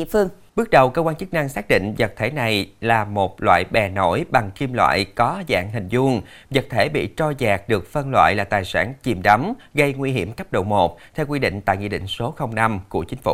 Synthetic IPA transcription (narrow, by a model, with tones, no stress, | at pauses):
əfɨ˧əŋ | ɓɨ˦˥ək̚ɗə˨˩wkəː˧kwaː˧nt͡ɕɨ˦˥k̚na˧ŋsaː˦˥k̚ɗḭ̈˧˨ŋ̟və˨˩t̚t̪ʰe˧˩na˨˩jlaː˨˩mo˨˩t̚lwa̰ː˧˨jɓɛ˨˩no̰˧˥˩jɓa˨˩ŋki˧mlwa̰ː˧˨jkɔ˨˦za̰ː˧˨ŋɦï˨˩ŋ̟zu˧əŋ | zə˨˩t̚t̪ʰe˧˩ɓḭ˧˨t͡ɕɔ˧zaː˨˩k̚ɗɨ˨˩ək̚fə˧nlwa̰ː˧˨jlaː˨˩t̪aː˨˩jsa̰ː˧˩nt͡ɕi˨˩mɗa˨˦mɣə˧jŋwi˧ɦi˧˩əmka˦˥p̚ɗo̰˧˨wmo˨˩t̚t̪ʰɛ˧wkwi˧ɗḭ˧˨ŋ̟t̪a̰ː˧˨jŋḭ˧˨ɗḭ̈˧˨ŋ̟so˨˦xə˧wŋ͡mna˧mku˧˩ət͡ɕï˨˦ŋ̟fṵ˧˩